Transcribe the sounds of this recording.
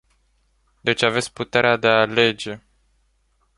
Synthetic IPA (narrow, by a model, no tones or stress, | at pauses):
d̪e̞t͡ʃʲave̞t̪sʲput̪e̞ɾead̪eale̞d͡ʒe̞